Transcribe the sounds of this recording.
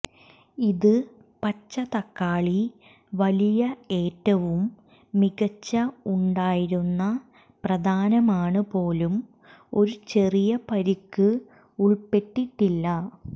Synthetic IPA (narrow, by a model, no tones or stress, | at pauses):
iðɨ | pɐt͡ɕːɐt̪ɐkːaːɭi | ʋɐlijɐe̞ːtːɐʋumː | iɣɐt͡ɕːɐuɳɖaːjiɾunːɐ | prɐd̪ʱaːnɐmaːɳɨpo̞ːlum | o̞ɾut͡ɕe̞rijɐpɐɾikːɨ | uɭpe̞ʈːiʈːilːɐ